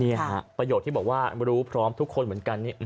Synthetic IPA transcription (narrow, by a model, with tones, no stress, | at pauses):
ni˥˩ɐ˨˧˩pɾa˧joː˨˩t̪ʰːiː˥˩bɔː˨˩kwaː˥˩ɾuː˦˥pʰɾɔː˦˥mt̪ʰu˦˥kʰːo˧nmɯ˩˦ə˦nka˧nːiː˥˩˧